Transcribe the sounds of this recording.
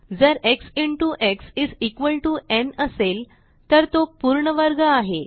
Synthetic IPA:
d͡zəɾeksiɳʈuʔeksid͡zikʋəlʈuenəsel | t̪əɾt̪opuɾɳəʋəɾɡəaɦe

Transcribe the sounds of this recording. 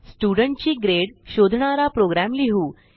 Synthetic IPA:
sʈjuɽəɳʈ̚t͡ɕiːɡɾeɽɕod̪ʱɳaɾapɾoɡɾæmliɦuː

